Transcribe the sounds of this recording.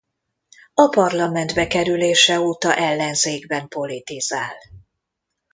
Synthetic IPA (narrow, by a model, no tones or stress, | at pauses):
ɒpɒrlɒmɛnd̪bɛkɛɾyleːʃɛoːt̪ɒʔɛlːɛnzeːɡbɛmpo̞lit̪izaːl